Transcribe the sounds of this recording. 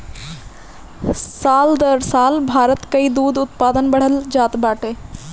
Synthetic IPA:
saːld̪əɾsaːlbʱaːɾət̪kəid̪uːd̪ʊt̪paːd̪ənbəɽ̤əld͡ʒaːt̪baːʈeː

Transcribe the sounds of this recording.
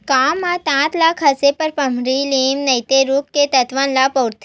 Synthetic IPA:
kamãt̪ãt̪lakʰɐsepɐɾpɐm̤ɾiliːmnɐjt̪eɾukːet̪ɐt̪ʋãnlapəwɾt̪ʰ

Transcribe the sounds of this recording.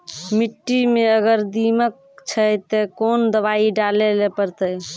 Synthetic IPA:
miʈːimeəɡəɾd̪imək̚ | t͡ʃʰəjt̪ekond̪əbaiɖalelepəɾt̪əj

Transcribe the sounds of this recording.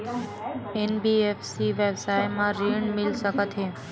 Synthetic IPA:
enbiefsiʋebsajmãɾiɳmɪlʃəkət̪ʰe

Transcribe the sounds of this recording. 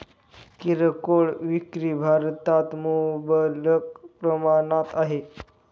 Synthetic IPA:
kiɾəkoɭʋikɾiːbʱaɾt̪at̪mubələk̚pɾəmanat̪aɦe

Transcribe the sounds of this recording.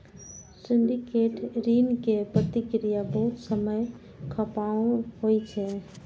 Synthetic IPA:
siɳɖikeʈɾinkepɾət̪ikɾijabəɦut̪səməj | kʰəpaõɦojt͡ʃʰɛ

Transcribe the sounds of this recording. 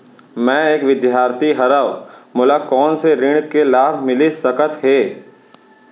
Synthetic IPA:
mɛ̃ːeːkʋɪd̪jaːɾt̪iɦɐɾaʋmʊlakɔːnseɾɪɳ̃kelaːbʱmɪlisəkət̪ɦeː

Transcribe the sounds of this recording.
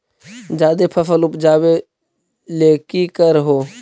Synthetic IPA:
d͡ʒaːd̪eːpʰəfəlʊpd͡ʒaːʋeː | leːkiːkəɾɦoː

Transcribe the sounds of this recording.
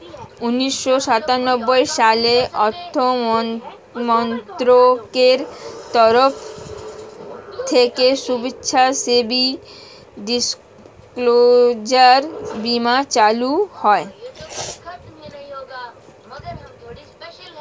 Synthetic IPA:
uniʃːoʃat̪anobːojʃaleʔɔɾt̪ʰːo | mɔnt̪ɾokeɾt̪ɔɾof | t̪ʰekeʃubetːɕʰasebi | ɖis | klod͡ʑaɾbimat͡ɕaluhɔe

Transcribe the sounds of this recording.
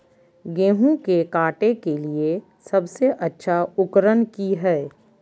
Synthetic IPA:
ɡeːɦũkekaːʈekelie | sɐbseʔɐtːʃʰaʊkɾənkiɦɛː

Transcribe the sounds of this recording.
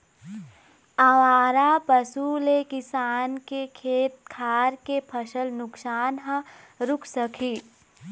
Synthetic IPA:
aʋaːɾapəsulekɪsaːnkekʰeːt̪̚kʰaːɾkepʰəʃəlnʊksaːnɦã | ɾʊkʰsəkʰiː

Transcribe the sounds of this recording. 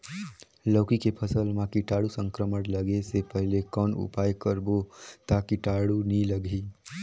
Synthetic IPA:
ləːkikepʰəsəlmãkiʈaːɽusə̃ŋkɾəməʈləɡesepəɦlekɔːnṵpaːjkəɾbot̪akiʈaɽuniləɡi

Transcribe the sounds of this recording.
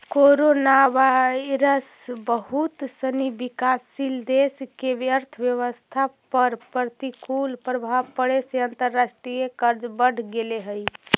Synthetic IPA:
koɾonaʋaɾəs | bəɦut̪ːənibikasːild̪eskebjəɾt̪ʰəbjəʋəst̪ʰapəɾpəɾt̪ikulpɾəbʱabpəɽeseənt̪əɾːasʈɾijekəɾd͡ʒbəɽ̤ɡeleɦəj

